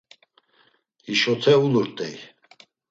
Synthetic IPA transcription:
hiʃɔt̪ʰɛuluɾt̪ʼɛj

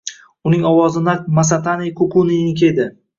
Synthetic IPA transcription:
ʊnɪŋɒwɒzɪnamas̬at̪ʰanijkʰʊkʰunijnɪkʲʰed̪ɪ

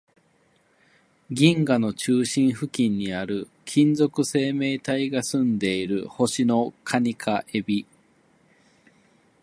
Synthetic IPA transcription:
ɡʲĩŋɡano̞t͡ɕɨːɕĩɰ̃ɸɯ̟kʲĩɲ̟ːiaɾɯ̟ | kʲʰĩnd͡zo̞kɯ̟se̞ːme̞ːt̪aiɡasɨ̃nd̪e̞iɾɯ̟ho̞ɕino̞kʰaɲ̟ikʰaʔe̞bʲi

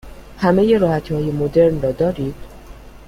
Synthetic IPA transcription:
hæme̞je̞ɾɒːhæt̪ʰiːhɒːje̞mod̪e̞ɾnrɒːd̪ɒːɾiːd̪̥

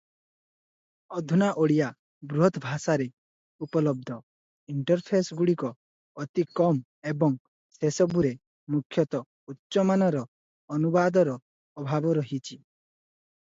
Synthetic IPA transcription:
ɔd̪ʱunaʔoɽija | bɾuɦɔt̪bʱasaɾe | upɔlɔb̚d̪ʱɔ | iɳʈɔɾpʰesɡuɽikɔː | t̪ikɔm | ebɔŋ | sesɔbuɾe | mukʰːjɔt̪ɔ | utːʃɔmanɔɾɔː | nubad̪ɔɾɔː | bʱabɔɾɔɦit͡ʃʰi

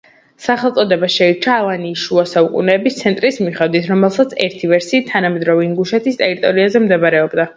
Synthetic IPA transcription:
saχɛlˠt̪sʼɔd̪ɛbaʃɛit͡ʃʰaːlˠaniːʃuasaukʼṵnɛːbist̪sʰɛnt̪ʼɾismiχɛd̪wit̪ʰɾɔmɛlˠsat̪sʰɛɾt̪ʰivɛɾsiːt̪ʰanamɛd̪ɾɔvinɡuʃɛt̪ʰist̪ʼɛɾit̪ʼɔɾiazɛmd̪ɛbaɾɛɔbd̪a

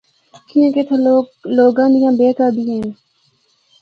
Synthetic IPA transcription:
kiẽːket̪ʰeloːɡãːnijãːbeːkaːd̪ieːn

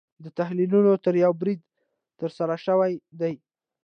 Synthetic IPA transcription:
d̪ət̪aɦlilunot̪əɾjawbɾid̪ | t̪əɾsaɾaʃəwajd̪aj

